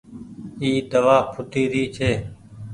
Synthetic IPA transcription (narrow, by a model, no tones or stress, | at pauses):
iːd̪əʋaːpʰʊt̪iːɾiːt͡ʃʰeː